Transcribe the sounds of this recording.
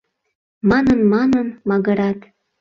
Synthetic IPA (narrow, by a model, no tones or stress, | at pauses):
mɑnənmɑnənmɑɣəɾɑt̪